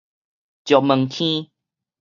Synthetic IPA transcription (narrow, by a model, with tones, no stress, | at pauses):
t͡ɕjɔ˨mɨ˨˩ŋkʰĩ˦